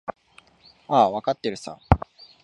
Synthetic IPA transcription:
aːβakat̪ːeɾɯ̟sa̰

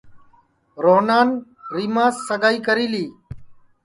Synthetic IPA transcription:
ɾoːnaːn | ɾiːmãːsːəɠaːiːkəɾiːliː

